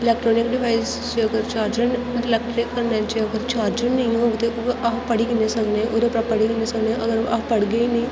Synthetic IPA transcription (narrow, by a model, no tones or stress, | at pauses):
ɪlɛːkʈɾoːnɪkɖɪʋaːiz | t͡ʃeəɡəɾt͡ʃaːɾd͡ʒənlɛːk̚ʈɾɪkːəɾnat͡ʃeəɡəɾt͡ʃaːɾd͡ʒənːəĩɦoːɡt̪eoʔapəɽiːkinesəkneʔod̪epɾapəɽikineːsəkneʔəɡəɾa̰pəɽɡəiːnəĩ